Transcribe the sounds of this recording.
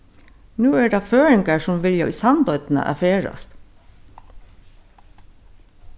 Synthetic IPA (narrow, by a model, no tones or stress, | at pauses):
nʉːæːɖɑːføːɹɪŋɡəʂɔmʋɪljo̰ʔiːsɑnd̪œʏt̪n̩ə̰ʔɑ̰feːɹɑ̰st̪